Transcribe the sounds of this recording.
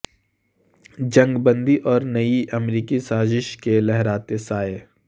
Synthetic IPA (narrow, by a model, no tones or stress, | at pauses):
d͡ʒɐ̃ŋɡbə̃nd̪iʔɔːɾnɐiʔɐmɾiːkisaːzɪʃkelɛɦɾaːt̪esaːe